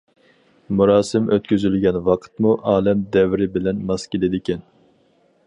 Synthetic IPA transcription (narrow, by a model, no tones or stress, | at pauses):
muɾɑːsɨmʔøt̪kʲyzylɡʲɛnwɑqʰə̥t̪muʔɑːlɛmd̪ɛvɾɪbɪlɛnmɑskʲelɪd̪ɪkʲɛn